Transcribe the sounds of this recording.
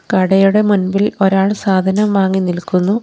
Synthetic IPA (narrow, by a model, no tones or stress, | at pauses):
kɐɽɐjuɽe̞munbilo̞ɾaːɭsaːd̪ʱɐnɐmʋaːŋːinilkunːu